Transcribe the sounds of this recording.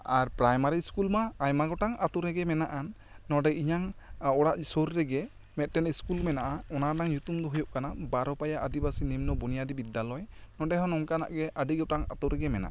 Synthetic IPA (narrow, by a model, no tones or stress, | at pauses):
aɾpɾajmaɾiskulmaːjmaɡɔʈaŋat̪uɾɛɡɛmɛnaʔanː | ɔɖɛiɲaŋɔɽaʔsɔɾːɛɡɛ | mɛt̪̚ˀʈɛniskulmɛnaʔaɔnanaŋjut̪umd̪ɔɦujɔʔkanabaɾɔpajaʔad̪ibasinimnɔbɔnijad̪ibid̪ːalɔjnɔɖɛɦɔ̃nɔŋkana̰ʔɡɛʔaɖiɡɔʈaŋa̰t̪uɾɛɡɛmɛna̰ʔa